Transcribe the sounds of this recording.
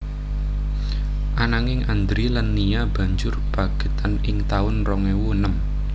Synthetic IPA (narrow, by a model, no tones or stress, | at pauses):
ʔanaŋɪŋʔand̪ɾilanːijab̥a̤ɲd͡ʒʊrb̥aɡ̥i̤t̪anɪŋt̪aʊnrɔŋɛwunəm